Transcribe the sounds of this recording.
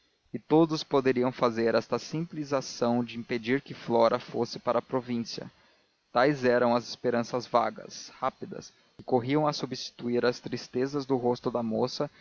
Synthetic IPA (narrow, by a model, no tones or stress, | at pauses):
ɪt̪od̪ʊspod̪eɾiɐ̃w̃fazeɾɛst̪ɐsĩplizasɐ̃w̃d͡ʒɪĩped͡ʒiɾkɪflɔɾɐfosɪpaɾɐːpɾovĩsiɐ̰ | t̪ajzɛɾɐ̃w̃ɐzɪspeɾɐ̃sɐzva̰ɡɐ̰shapid̪ɐ̰s | kɪkoɦiɐ̃w̃ɐsubist͡ʃi̥t̪uiɾɐst̪ɾist̪ezɐzd̪ʊɦost̪ʊd̪ɐmosɐ